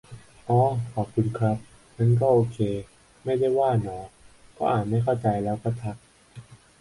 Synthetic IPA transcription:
ʔɔː˨˧˦kʰɔː˨˩p̚kʰu˧nkʰɾa˦˥p̚ | na˦˧˥nk̬ɔː˥˩ʔoː˧kʰeː˧ | ma˥˩jda˥˩jwaː˥˩nɔː˨˩˦kʰɔː˦˥ʔaː˨˩ma˥˩jkʰa˥˩wt͡ɕa˧jlɛː˦˥wkɔː˥˩t̪ʰa˦˥k̚

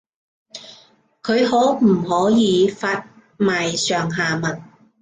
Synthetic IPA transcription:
kʰɵ˨˧ɥɦɔː˨˥m̩˨˩hɔː˨˥jiː˨˧faː˧t̚ | maː˨jsœː˨˩ŋɦaː˨mɐ˨˩t̚

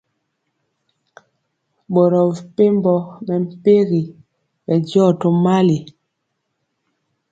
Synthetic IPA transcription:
bɔ˨ɾɔ˨pe˦m˦bɔ˦mɛ˨m̩˨pe˦ɣi˨ | bɛ˨d͡ʒɔ˦˨to˦ma˦li˨

